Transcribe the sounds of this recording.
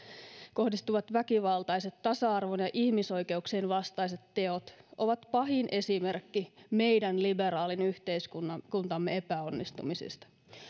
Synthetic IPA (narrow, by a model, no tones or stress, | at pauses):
ko̞hdist̪uʋɑt̪ʋækiʋɑlt̪ɑjset̪tːɑsɑɑrʋonjɑʔihmiso̞jke̞ukseːnʋɑst̪ɑiset̪te̞ot̪ʔoʋɑt̪pɑɦinʔe̞simerkːime̞jdænlibeɾɑːlinyht̪eiskunːɑkunt̪ɑmːeepæonːist̪ṵmisḭst̪ɑ̥